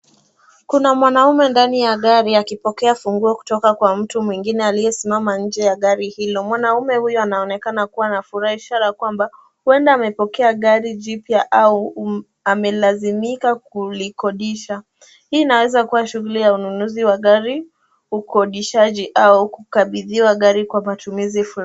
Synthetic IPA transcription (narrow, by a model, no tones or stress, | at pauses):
kunamwanaumɛndanijaɠaɾiakipɔkɛafuŋɡuaku̥tɔkakwam̩tumwiŋɡinɛalijɛsimamaɲ̩d͡ʒɛjaɠaɾihilɔmwanaumɛhujɔanaɔnɛkanakuwanafuɾahiʃaɾakwamba | huɛndaːmɛpɔkɛaɠaɾiʄipjaʔau | amɛlazimikakulikɔɗiʃa | hiːnawɛzakuwaʃuɣulijaununuziwaɠaɾi | ukʰɔɗiʃaʄiʔaukukaɓiðiwaɠaɾikwamatumizifuɾ